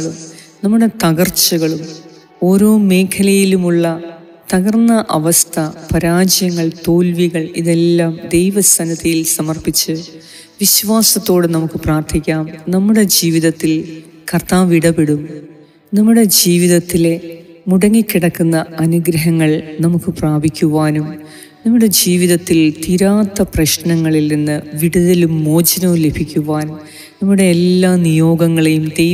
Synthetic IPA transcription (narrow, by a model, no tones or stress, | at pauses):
ɭum | nɐmːuɽe̞t̪ɐɣɐrt͡ɕːɐɣɐɭum | o̞ːɾo̞ːme̞ːkʰɐlɐjilumuɭːɐ | t̪ɐɣɐrnːɐʔɐʋɐst̪ʰɐpɐɾaːd͡ʑɐjɐŋːɐɭt̪o̞ːlʋiɣɐɭiðe̞lːaːmd̪e̞jʋɐsɐnɐt̪ɐjilsɐmɐrpit͡ɕːɨ | ʋiɕʋaːsɐt̪ːo̞ːɽɨnɐmukːɨpraːrt̪ʰikʲːaːmnɐmːuɽe̞d͡ʑiːʋiðɐt̪ːil | kɐrt̪aːʋiɽɐbeɽum | nɐmːuɽe̞d͡ʑiːʋiðɐt̪ːile̞muɽɐŋːikʲːiɽɐkːunːɐɐnuɡɾɐɦɐŋːɐɭnɐmukːɨpraːbʱikʲːuʋaːnum | nɐmːuɽe̞d͡ʑiːʋiðɐt̪ːilt̪iɾaːt̪ːɐprɐɕnɐŋːɐɭilninːɨʋiɽuðɐlumːo̞ːd͡ʑɐnɐlebʱikʲːuʋaːnum | nɐmːuɽe̞ːlːaːnijo̞ːɡɐŋːɐɭejumt̪e